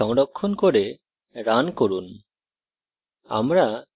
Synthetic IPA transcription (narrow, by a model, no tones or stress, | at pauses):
ɔŋɖɔkʰːɔnkɔɾe | ɾankoɾun | a̰mɾa